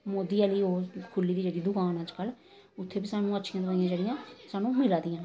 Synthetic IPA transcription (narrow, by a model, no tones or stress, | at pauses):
moːd̪iːaːliːoːkʰʊlːiːd̪iːd͡ʒeːɽiːd̪ʊkaːnaːd͡ʒkəl | ʊt̪ʰːeːbisaːnũːətːʃʰijãt̪aːɪ̃jãːd͡ʒeɽɪjãːsaːnũːmɪlaːd̪ɪjãː